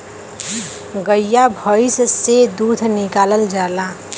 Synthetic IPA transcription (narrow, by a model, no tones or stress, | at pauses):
ɡəjjabʱəɪssed̪uːd̪ʰʱnɪkaːləld͡ʒaːla